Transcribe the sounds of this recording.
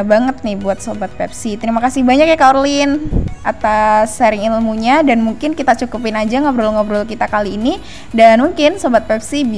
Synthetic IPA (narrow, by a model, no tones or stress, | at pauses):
baŋət̪̚nɪhbuat̪̚sobat̪̚pɛ̰p̚sit̪əɾimakasɪbaɲakjakarlɪnat̪asaɾɪŋilmuɲadanmuŋkɪnkit̪at͡ʃukupɪnad͡ʒaŋɡabəɾulŋɡabəɾulkit̪akaliːni | danmuŋkɪnsobat̪̚pɛpsibi